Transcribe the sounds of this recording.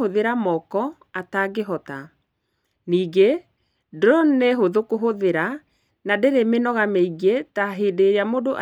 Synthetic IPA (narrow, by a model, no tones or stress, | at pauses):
oðeɾamɔkɔ | ataɡeɦɔta | niːɡe | dɾɔneɦoðokoɦoðeɾa | nadeɾemenɔɣameiɡetaɦeːdeɾjamodoʔa̰